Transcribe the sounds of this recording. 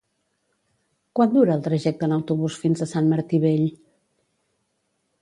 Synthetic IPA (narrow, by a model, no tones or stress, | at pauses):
kwand̪uɾəːlˠt̪ɾəʒɛk̚t̪ənəwt̪uβusfinzəsanməɾt̪iβeʎ